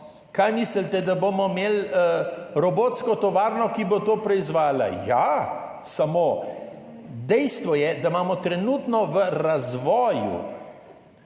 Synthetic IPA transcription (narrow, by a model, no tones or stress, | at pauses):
kajmisəlt̪ɛd̪abomɔmeləɾɔboːt̪skɔt̪ɔʋaːɾnɔkibot̪oːpɾɛizʋaːla̰jasamoː | d̪ɛjst̪ʋɔjɛd̪amaːmɔt̪ɾɛnuːt̪nɔʋəɾazʋɔːjṵ